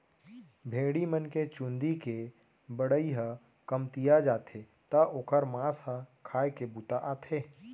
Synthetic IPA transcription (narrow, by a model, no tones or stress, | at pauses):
bʱeːɽimənket͡ʃũnd̪ike | bəɽəiɦə̃ | kəmt̪ijad͡ʒaːt̪ʰe | t̪ɐʔoːkəɾmãːsɦə̃kʰaːekebut̪aʔaːt̪ʰeː